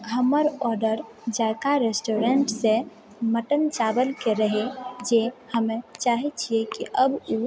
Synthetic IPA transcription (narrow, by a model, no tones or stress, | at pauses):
ɦəməɾɔɾɖəɾ | d͡ʒajkaɾesʈoɾeɳʈsẽ | məʈənt͡ʃabəlkeɾəɦed͡ʒehəmet͡ʃaɦɛt͡ʃʰijekiʔəbu